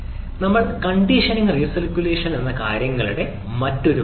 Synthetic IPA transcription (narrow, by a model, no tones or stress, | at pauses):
nɐmːɐɭkɐɳɖiʂɐniŋrisɐrkʲːuleːʂɐnenːɐka̰ːɾjɐŋːɐɭuɽe̞ | mɐtːo̞ɾu